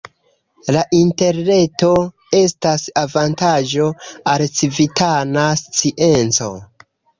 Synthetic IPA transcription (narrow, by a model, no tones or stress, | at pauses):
laʔinte̞ɾne̞to̞ | e̞stasavantaʒo̞alt͡sivitʰanast͡siʔe̞nt͡so̞̰